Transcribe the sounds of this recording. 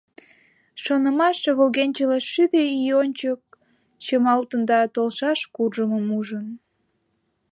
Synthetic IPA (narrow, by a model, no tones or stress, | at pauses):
ʃonəmɑʃβolɣenʲt͡ɕələʃybeionʲt͡ɕək̚ | t͡ɕəmɑlt̪ənd̪ɑt̪olʃɑʃkurʒəməmuʒən